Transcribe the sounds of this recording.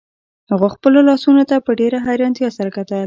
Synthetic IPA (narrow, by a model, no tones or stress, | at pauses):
haɣoxpəlolɑsunot̪apəɖeɾaɦajɾɑnt̪jɑsaɾakat̪al